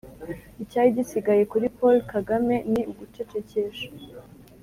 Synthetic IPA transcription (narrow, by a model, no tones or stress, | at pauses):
icaːjiɟisiɡaje̞kuɾipo̞lkaɡame̞niuɡut͡ʃe̞t͡ʃe̞ce̞ʃḁ